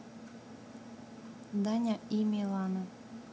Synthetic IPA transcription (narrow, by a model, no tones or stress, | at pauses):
d̪anʲaimʲilˠɑna